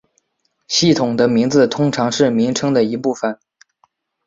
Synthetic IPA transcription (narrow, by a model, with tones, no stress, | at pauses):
ɕi˥˩t̪ʰʊ˨˩ŋd̪ə˦mi˧˥ŋd͡zɹ̩˧t̪ʰʊ˥ŋʈ͡ʂʰɑ˧˥ŋʂɻ̩˥˩mi˧˥ŋʈ͡ʂʰɤ˥ŋd̪ə˨i˧˥pu˥˩fə˨˩n